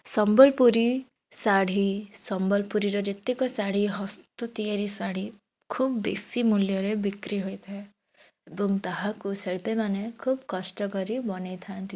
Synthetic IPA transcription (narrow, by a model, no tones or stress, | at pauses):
sɔmbɔlpuɾi | saɽ̤isɔmbɔlpuɾiɾɔd͡ʒet̪ikɔsaɽ̤iɦɔst̪ɔt̪ieɾisaɽ̤i | kʰubbḛsimuljɔɾebikɾiɦojt̪ʰa | ebɔŋɡt̪aɦãkuseɭpemanekʰubkɔʃʈɔkɔɾibɔnejt̪ʰant̪i